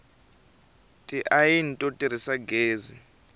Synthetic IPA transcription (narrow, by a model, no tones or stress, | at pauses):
tʼiʔajin̩tʼɔtʼiɾ̤isaɡeːzi